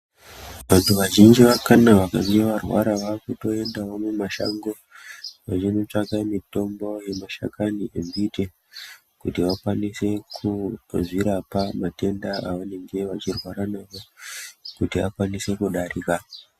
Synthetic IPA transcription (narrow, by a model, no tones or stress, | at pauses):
ʋantʰuʋaʒind͡ʒiʋakanaʋakaŋɡeʋarwa̰ɾaʋakuto̞e̞ndawomumaʃa̰ŋɡo̞ | ʋat͡ʃino̞t͡ʂaɡamito̞mbo̞je̞maʃa̰kaniembite | kutiʋakwanise̞kʰuziɾapamate̞ndaaʋane̞ŋɡe̞ʋat͡ʃirwaɾanaʋo̞kutia̰kwanise̞kuɗaɾiːka